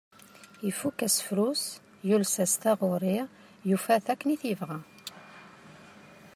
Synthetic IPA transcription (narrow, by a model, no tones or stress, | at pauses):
ifukːæsfɾus | julsæst̪æʁʊɾˤi | jufæθækːniθivʁæ